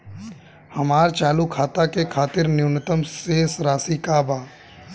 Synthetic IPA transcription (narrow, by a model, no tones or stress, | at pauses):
hɐmaːɾt͡ʃaːlukʰaːt̪akekʰaːt̪ɪɾnjʊnət̪əmseːsɾaːsikabaː